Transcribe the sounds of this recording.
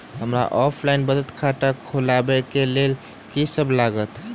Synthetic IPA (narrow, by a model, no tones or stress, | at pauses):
ɦəmɾa̰ʔɔpʰlaɪnbəd͡ʒət̪kʰaʈakʰolabɛkelel | kisəbʱlaɡət̪